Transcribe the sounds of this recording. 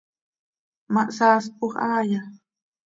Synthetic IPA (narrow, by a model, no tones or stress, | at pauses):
maʔsaːspoχaːja